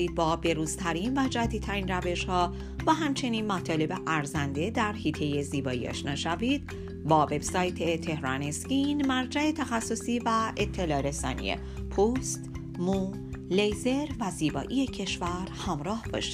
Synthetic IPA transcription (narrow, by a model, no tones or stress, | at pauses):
iːd̪̥̚bɒːbe̞ɾuːzt̪ʰæɾinvæd͡ʒæd̪it̪ʰæɾiːnræve̞ʃhɒː | væɦæmt͡ʃʰe̞niːnmæt̪ʰɒːle̞beʔæɾzænd̪e̞d̪æɾhiːt̪ʰe̞jeziːbɒːḭːɒ̰ʃnɒːʃæviːd̪̥ | bɒːve̞bsɒːjt̪ʰet̪ʰe̞hɾɒːnescinmæɾd͡ʒæe̞t̪ʰæxæsːo̞siːvæʔet̪ʰːe̞lɒːɾe̞sɒ̰ːnḭjḛ | pʰuːst̪ | mu | lejze̞ɾvæziːbɒ̰ːʔiːjecʰe̞ʃvæɾhæmɾɒːhb̥ɒ̰ːʃi̥d̪